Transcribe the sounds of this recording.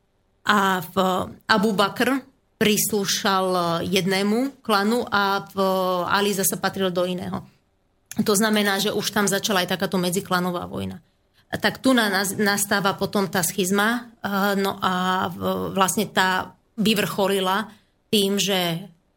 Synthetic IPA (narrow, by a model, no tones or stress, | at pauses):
ʔafʔabubakr | pɾisluːʃaljɛd̪nɛːmuklanuʔafa̰lizasapat̪ɾild̪ɔinɛ̰ːɦɔ̰ | t̪ɔznamɛnaːʒɛʔuʃt̪amzat͡ʃalaajt̪akaːt̪ɔmɛd͡ziklanɔʋa̰ːʋɔ̰jna | t̪akt̪unanast̪aːʋapɔt̪ɔmt̪aːsxizmanɔ̰ʔa | ʋlasɲɛt̪aː | ʋiʋr̩xɔlila | t̪iːmʒɛ